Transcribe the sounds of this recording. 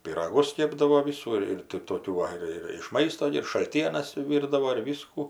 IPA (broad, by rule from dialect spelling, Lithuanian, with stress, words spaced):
pʲiːrɐˈɡʊs ˈkʲeːbdɐʋoː ˈʋʲɪsuː ɪr ɪr tɐɪ ɪr ˈtoːkʲuː ˈʋɐ ɪr ɪr ɪʃ ˈmɐɪstoː ɡʲɪ ɪr ʃɐlʲˈtʲiɛnɐs ˈʋʲiːrdɐʋoː ɪr ˈʋʲiːskʊ